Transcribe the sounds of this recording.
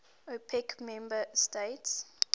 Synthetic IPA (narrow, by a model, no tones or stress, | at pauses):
opʰɛkmɛ̃mbəstets